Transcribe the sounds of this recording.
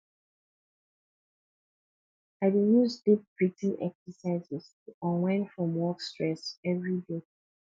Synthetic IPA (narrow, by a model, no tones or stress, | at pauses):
aɪdijuzdip̚bɹitĩnɛ̰ksəsaɪzɛztuʔɔ̃nwɛ̃nfɹɔ̃mwɔkstɹɛsɛvɹide